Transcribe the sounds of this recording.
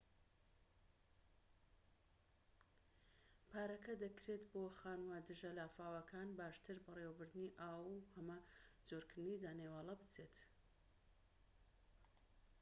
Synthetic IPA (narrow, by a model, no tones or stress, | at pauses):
pʰaːɾɐkɐd̪ɐkɾeːt̪boxaːnwaːd̪ɨʒɐlaːfaːwɐkʰaːnbaːʃt̪ɨɾbɐrewɐbɨɾd̪ɨniʔaːwuhɐmɐd͡zoɾkɨɾd̪ɨnid̪aːneːwaːlˠɐbɨt͡seːt̪